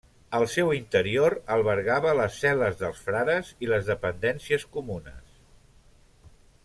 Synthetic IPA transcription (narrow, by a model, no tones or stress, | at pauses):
əlˠsɛwint̪əɾioɾəlˠβəɾɣaβələsːɛləzðəlˠsfɾaɾəziləzðəpənd̪ɛnsiəskumunə̰s